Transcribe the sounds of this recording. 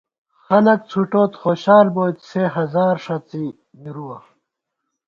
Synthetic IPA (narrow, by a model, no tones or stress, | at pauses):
xɐlɐk̚t͡sʰuʈoːt̪xoːɕaːlboːt̪seɦɐzaːɾʂɐt͡si | miɾuwɐ